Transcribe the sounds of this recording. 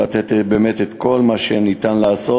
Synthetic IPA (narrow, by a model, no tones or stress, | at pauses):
at̪et̪ebemet̪et̪ko̞lmaʃenit̪anlaːso